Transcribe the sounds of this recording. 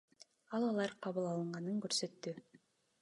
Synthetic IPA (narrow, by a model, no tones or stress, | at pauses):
ɑlˠɑlˠɑɾqʰɑβɯlˠɑlˠɯɴʁɑnɯŋkɵɾsøt̪ːy